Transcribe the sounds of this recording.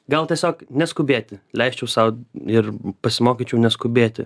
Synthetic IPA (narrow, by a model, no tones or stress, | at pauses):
ɡɐlˠt̪ʲiɛsʲoːknʲɛskʊbʲeːt̪ʲɪlʲɛɪsʲt͡ʃʲɛʊsɐʊɪɾpɐsʲɪmoːkʲit͡ʃʲuːnʲɛskʊbʲeːt̪ʲɪ̰